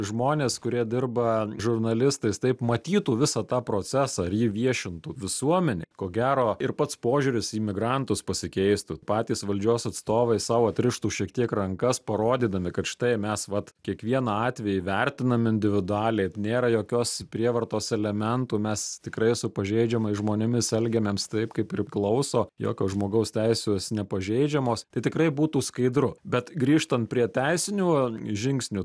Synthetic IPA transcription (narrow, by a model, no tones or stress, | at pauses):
ʒmoːnʲeːskʊɾʲiɛd̪ʲɪrbɐʒʊrnɐlʲɪst̪ɐɪst̪ɐɪpmɐt̪ʲiːt̪uːʋʲɪsɐt̪ɑːpɾoːt͡sʲæsɑɪrjiʋʲiɛʃʲɪnt̪uːʋʲɪsuɔmʲɛnʲeɪkoːɡʲæːɾoːɪɾpɐt̪spoːʒʲʊɾʲɪsiːmʲɪɡɾɐnt̪ʊspɐsʲɪkʲɛɪst̪upɑːt̪ʲiːsʋɐlʲd͡ʒʲoːsɐt̪st̪oːʋɐɪsɑʋɐt̪ʲɾʲɪʃt̪uːʃʲiɛkt̪ʲiɛkrɐŋkɐspɐɾoːd̪ʲiːd̪ɐmʲɪkɐt̪ʃʲɪ̥t̪ɐɪmʲɛsʋɐt̪kʲiɛkʋʲiɛnɑɑːt̪ʲʋʲɛjɪʋʲɛɾʲt̪ʲɪnɐmɪnʲd̪ʲɪʋʲɪd̪ʊɑːlʲɛɪnʲeːɾɐjoːkʲoːspʲɾʲiɛʋɐrt̪oːsɛlʲɛmʲɛnt̪uːmʲɛst̪ʲɪkɾɐɪsʊpɐʒʲɛɪd͡ʒʲɛmɐɪsʒmoːnʲɪmʲɪsɛlʲɡʲɛmʲeːmst̪ɐɪpkɐɪpɪɾʲklˠɐʊsoːjo̰ːkʲoːsʒmoːɡɐʊst̪ʲæɪsʲoːsnʲɛpɐʒʲɛɪd͡ʒʲɛmoːst̪ɐɪt̪ʲɪkrɐɪbuːt̪uːskɐɪd̪ɾʊbʲɛt̪ɡɾʲiːʃt̪ɐnt̪̚pʲɾʲiɛt̪ʲæɪsʲɪnʲuːʒʲɪŋksʲnʲu